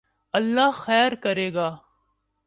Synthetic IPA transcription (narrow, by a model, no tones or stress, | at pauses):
əɐlːaɦxɛːɾkəɾeːɡaː